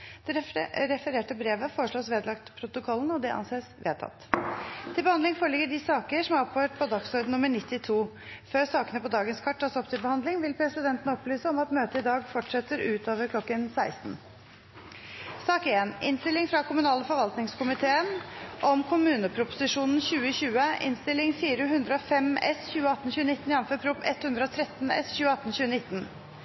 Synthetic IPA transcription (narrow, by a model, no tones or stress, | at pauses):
d̪̥ɛɾɛfəɾeːʈəbɾeːʋəfoːɾəʂɭoːsʋeːd̪lɑkt̪pʰɾʊt̪ʊkʰɔlːən̩ɔd̪ɛʔɑ̰nseːsʋḛːd̪t̪ʰɑ̰t̪ːt̪ʰɪlbəhɑnd̪ɪŋfoːɾɭɪɡːəɖɪsɑːkəʂɔmɾɔpʰːøʈpʰɔd̪ɑksɔɾd̪nʊmːəɳɪt̪ːɪt̪ʰuː | føːɾsɑːkənəpɔd̪ɑːɡənskʰɑʈʰːɑːsɔpt̪ɪlbəhɑnd̪lɪŋʋɪlpʰɾɛsɪd̪ɛnt̪ən̩ɔplyːsəɔmɑt̪møːt̪əɪd̪ɑːɡfɔʈʂɛt̪ːəɾʉːt̪oːʋəɾklɔkːənsæɪst̪n̩ | sɑːkeːnɪ̰nst̪ɪlːɪŋfɾɑkʰʊmʉnɑːləfɔɾʋɑlt̪nɪŋskʰʊmɪt̪ʰeːənʔɔmkʰʊmʉːnəpʰɾʊpʊ̥sɪʂuːnn̩ɕʉːəɕʉːəʔɪ̰nst̪ɪlːɪŋfiːɾəɦʉnd̪ɾəɔfɛmɛsçʉːəɑt̪ːn̩ɕʉːənɪt̪ːn̩ɪɑnføːpʰɾʊpɛt̪hʉnd̪ɾəɔt̪ʰɾɛt̪ːnɛ̰sçʉːəɑt̪ːn̩ɕʉːənɪt̪ːn